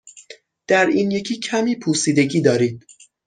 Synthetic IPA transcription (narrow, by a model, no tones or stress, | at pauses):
d̪̥æɾiːnje̞cʰiːcʰæmiːpʰuːsiːd̪e̞ɟiːd̪ɒːɾiːd̪̥̚